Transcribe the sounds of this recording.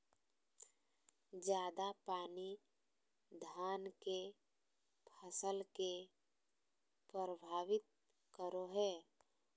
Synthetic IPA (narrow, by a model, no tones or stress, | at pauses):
d͡ʒjaːd̪apaːni | d̪ʱaːnke | pʰəsəlke | pɾəɾəbʱaːʋɪt̪̚ | kəɾoɦɛː